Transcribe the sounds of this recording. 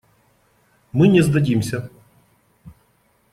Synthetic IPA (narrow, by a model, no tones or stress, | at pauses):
mɪnʲɛzd̪ɐdʲimsʲɐ